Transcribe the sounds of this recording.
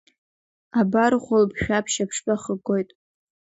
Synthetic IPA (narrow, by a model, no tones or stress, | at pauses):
abarχʷʊlpʰʃᶣapʰʃapʰʂpʼaχəɡojtʼ